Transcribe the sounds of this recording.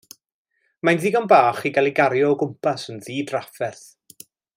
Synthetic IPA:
manðiːɡɔnbaːχiɡalˠiɡaɾjɔɔɡʊmpʰasənðiːdrafɛθ

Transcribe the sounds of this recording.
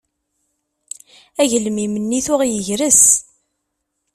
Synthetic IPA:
æʝəlmimənːiθʊʁjəʝɾəs

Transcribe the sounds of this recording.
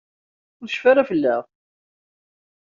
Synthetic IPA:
ʊɾʃfaɾafəlːæʁ

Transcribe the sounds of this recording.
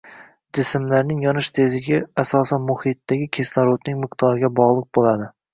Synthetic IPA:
d͡ʒɪsɪmlaɾnɪŋjɒnɪʃt̪ʰezɪɡʲaasɒsanmʊhɪt̪ːaɡʲɪkʲʰeslaɾot̪nɪŋmɪqt̪ʰɒɾɪɡʲabɒʁlˠɨq̚bolad̪ɪ

